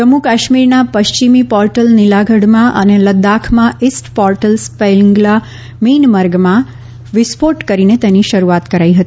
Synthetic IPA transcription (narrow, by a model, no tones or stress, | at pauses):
d͡ʒəmukaʃmiɾnapəʃt͡ʃimipɔɾʈəlnilaɡʱəɽmãʔə̰neləd̪ːakʰmãʔisʈpɔɾʈəlspelɪŋɡla | minməɾɡmã | ʋɪspoʈkəɾinet̪eniʃəɾuat̪kəɾaiɦət̪i